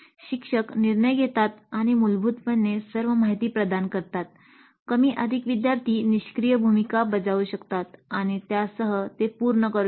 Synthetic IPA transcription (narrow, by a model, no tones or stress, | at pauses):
ɕikʂəkniɾɳəjɡʱet̪at̪aɽ̃imulbʱut̪pənːesəɾʋəmaɦit̪iːpɾəd̪ankəɾt̪at̪̚ | kəmiːʔəd̪ʱikʋid̪jaɾt̪ʰiːniɕkɾijəbʱumikabəd͡zauɕəkt̪at̪aɽ̃it̪jasəɦət̪epuɾɳəkəɾ